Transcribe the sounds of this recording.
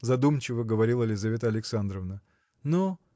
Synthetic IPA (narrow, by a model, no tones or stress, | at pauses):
zɐd̪umt͡ɕɪvəɡəvɐɾʲilˠəlʲɪzɐvʲe̞t̪əɐlʲɪksand̪ɾəvnə | no